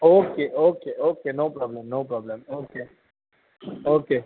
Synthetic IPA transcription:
oːkeʔoːkeʔoːkenoːpɾɔːblə̃mnoːpɾɔːblə̃moːke | oːke

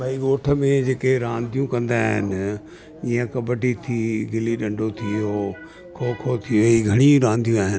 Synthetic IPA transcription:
bɐiɡoːʈʰə̆mẽd͡ʑeːkeɾãːnd̪ʱijũkɐ̃nd̪aːɦɪ̰nɪ | iːə̃kɐbəʈit̪ʰiːɡɪliɗɐ̃ɳɖʱot̪ʰio | kʰoːkʰot̪ʰijoiːɡʱɐɽ̃iɾãːnd̪ʱijũaːɦɪn

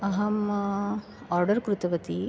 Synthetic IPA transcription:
ɐɦɐm | aːɾɖɐɾkɾut̪ɐʋɐt̪i

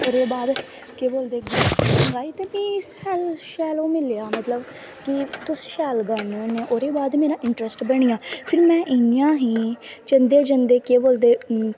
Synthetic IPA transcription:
oːɾeːbaːd̪ | keːboːld̪eːɡaːəɡaːiːt̪eːbiːɪsɛːlʃɛːloːmɪlejaːmət̪ləb | kɪt̪ʊsʃɛːlɡaːnẽːnẽːʔoːɾeːbaːd̪meːɾãːʔɪɳʈɾəsʈbəɽ̃ijãːpʰɪɾmɛ̃ːʔɪjãːɦiːt͡ʃə̃nd̪eːd͡ʒənd̪eːkeːboːld̪eː

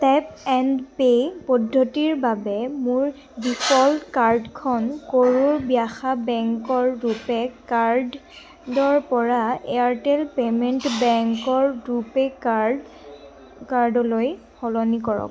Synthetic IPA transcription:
tɛpɛndpepɔdʱːɔtiɹbabɛmʊɹ | bifʰɔltkaɹdkʰɔnkoɹoɹbijaxabɛŋkɔɹɹupɛkaɹd | dɔɹpɔɹaeaɹtɛlpementbɛŋkɔɹupɛk | kaɹdɔloj | hɔlɔnikɔɹɔ̰k

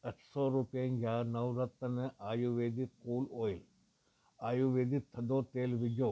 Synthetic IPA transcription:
ɐʈsoːɾupijɐnjaːnɐwɾɐt̪ːɐnɐʔaːjuʋeːd̪it̪kuːloːjl | aːjuʋeːd̪it̪ʰːɐd̪oːt̪eːlʋid̪jo

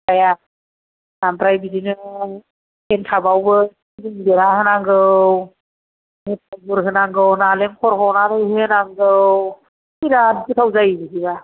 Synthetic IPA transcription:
aja | nampɾajbidinɯ | entʰabawbɯ | diŋbeɾaɦɯnaŋɡɯw | net̚abɯɾɦɯnaŋɡɯwnalemkʰɔɾhɔnatʰɯjhɯɯnaŋɡɯw | iɾadbɯtʰawzajbisiβa

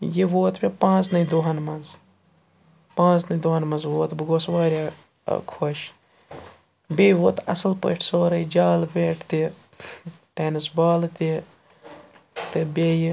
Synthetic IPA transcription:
jeʋoːt̪bʲepãːt͡snɐid̪oːɦɐnmɐnz | pãːt͡snɐid̪oːɦɐnmɐnzʋoːt̪bɨɡoːsʋaːɾʲa̰ː | kʰoʃ | bʲeːʋoːt̪ɐ̰sɐlpə̰ʈʰsoːɾɐid͡ʒaːlbeːʈʰt̪i | ʈeːnɨsbaːlt̪i | t̪ebʲeːj

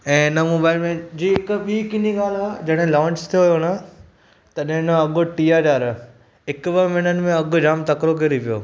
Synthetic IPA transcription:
ɛ̃ːɪnəmoːbaːɪlmẽd͡ʑiːɪkɓiːkɪniɡaːl̤ad͡ʑɐɽ̃ɦɪ̃lãːɲt͡ɕt̪ʰijoɦijona | t̪ɐɗɦɪ̃nəɐɠʊʈiːaːɖaːɾ | ɦɪkbəmɪnənɪ̆mẽɐɠʊd͡ʑaːmt̪ɐkɾokeɾiʋijo̰ː

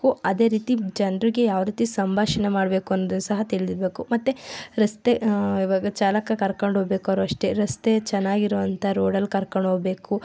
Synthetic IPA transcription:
kuɐd̪e̞ːɾiːt̪id͡ʒɐnɾiɡejaːʋɾiːt̪isɐmbʱaːʃɐnemaːɽbe̞ːkuɐnːoːd̪unːsɐɦɐt̪iɭid̪iɾbe̞ːkumɐt̪ːeɾɐst̪eiʋaːɡɐt͡ʃaːlɐkːɐkɐɾkɐɳɖɦoːbe̞ːkuɐɾuɐʂʈe̞ɾɐst̪e̞t͡ʃɛnːaːɡiɾoːʋɐnt̪ʰɐɾoːɽɐlkɐɾkɐɳɖɦoːbe̞ːku

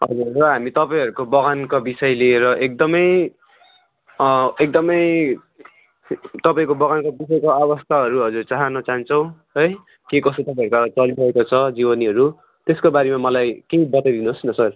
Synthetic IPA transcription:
ɦʌ̰d͡zurːʌɦamit̪ʌpaĩɦʌɾukobʌɡankabisʌjlieɾʌʔek̚d̪ʌmʌj | ek̚d̪ʌmʌj | t̪ʌpaĩkobʌɣankobis̬ʌjkoabʌst̪ʰaɦʌɾuɦʌd͡zurt͡saɦʌnʌt͡saɦʌnt͡sʰʌ̃w̃ | ɦʌj | kekʌst̪ot̪ʌpãĩʌɾukat͡sʌlibʌekot͡sʰʌd͡zibʌniɦʌɾu | t̪eskobaɾemamʌlajkejbʌt̪ajd̪inuɦosnʌsʌr

